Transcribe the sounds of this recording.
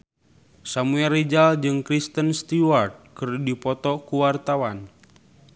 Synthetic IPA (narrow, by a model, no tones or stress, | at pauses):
samuɛrid͡ʒald͡ʒɨŋkɾist̪ənst̪iwart̪̚kɨrdipɔt̪ɔkuwart̪awan